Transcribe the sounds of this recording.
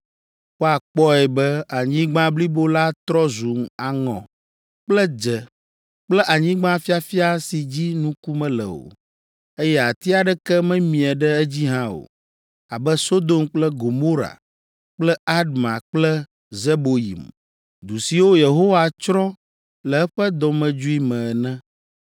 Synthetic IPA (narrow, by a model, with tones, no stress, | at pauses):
wo˦a˨k͡pɔ˦ɛ˨bɛ˦a˨ɲĩ˦ɡ͡bã˦bli˦bo˦la˦t̪ɾɔ˦zu˨ma˨ŋɔ̰̃˨ | k͡plɛ˦d͡ʒɛ˨ | k͡plɛ˦ʔa˨ɲĩ˦ɡ͡bã˦fi˦a˨fi˦a˦si˨d͡ʑi˦nũ˦ku˦mɛ̃˦lɛ̰˨o̰˨ | e˦jɛ˦a˨t̪i˦a˨ɖɛ˦kɛ˦mɛ̃˦mĩ˨ɛ˨ɖɛ˦ɛ˦d͡ʑi˦ɦã˦o̰˨ | a˨bɛ˦so˦d̪o˦mk͡plɛ˦ɡo˨mo˦ɾa̰˨ | k͡plɛ˦a˦d̪mã̰˨k͡plɛ˦ | ze˦bo˨jḭ˨m | d̪u˨si˨wo˦je˨ɦo˦wa˨t͡ʃɾɔ̃˦ | lɛ˨ɛ˦ɸɛ˦d̪ɔ˨mɛ̃˨d͡ʒu˦i˦mɛ̃˨ɛ˨nɛ̃˦